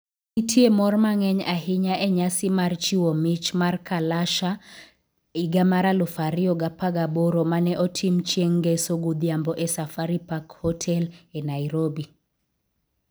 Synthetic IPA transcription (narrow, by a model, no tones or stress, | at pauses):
itʰjemɔrmaŋɛɲaɦɪɲaʔɛɲasimart͡ʃiwomit͡ʃmarkalaʃa | iɡamaɾalʊfaɾiɔɡapaɡaboɾomanɛʔɔtʰimt͡ʃjeŋɡesoɡud̪jambɔʔɛsafaɾipakhɔtʰɛlɛnaiɾobi